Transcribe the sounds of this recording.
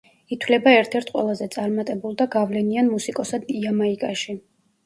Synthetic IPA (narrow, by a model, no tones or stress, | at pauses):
it̪ʰwlɛbaɛɾt̪ʰɛɾt̪ʰqʼwɛ̰lˠazɛt̪sʼaɾmat̪ʼɛbulˠd̪aɡavlɛnianmusikʼɔsad̪iamaikʼaʃi